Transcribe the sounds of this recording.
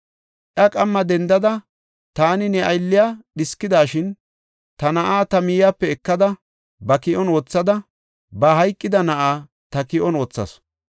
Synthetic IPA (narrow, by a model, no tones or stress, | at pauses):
ʔjɐkʼɐmːɐd̪ɛnd̪ɐd̪ɐ | t̪aːnɪnɛʔɐjlːɪjaːɗɪskːɪd̪aːʃɪn | t̪ɐnɐʔaːt̪ɐmɪjjaːpːɛɛkːɐd̪ɐ | bɐkɪʔɔno̞ːt͡sːɐd̪ɐ | bɐɦɐjkʼːɪd̪ɐnɐʔaː | t̪ɐkɪʔɔno̞ːt͡sːɐ̰s